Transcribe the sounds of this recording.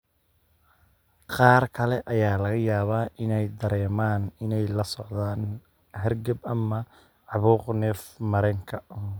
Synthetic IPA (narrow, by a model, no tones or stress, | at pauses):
qɑːrkʰɐlɛʔɐjaːlɐɣɐjaːβaːʔɪnɛjd̪ɐɾɛːmaːnɪnɛjlɐsɔʕðaːn | ɦɐrɡɐbɐmɐ | ʕɑβuːqnɛːfmɐɾɛŋkʰɐ